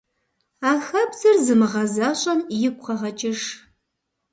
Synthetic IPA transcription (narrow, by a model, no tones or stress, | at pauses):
aːxɐbzɨrzɨmɨʁɐzaːɕʼɐnjɪkʷʼqʰɐʁɐt͡ʃʼɪʂ